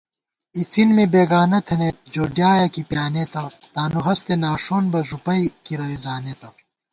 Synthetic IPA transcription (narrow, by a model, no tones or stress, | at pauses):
it͡sinmebeːɡaːnɐt̪ʰɐnet̪̚d͡ʑoːɖjaːjɐkipjaːnet̪ɐt̪aːnuɦɐst̪enaːʂoːnbɐʐupɐjkiɾɐjuzaːnet̪ɐ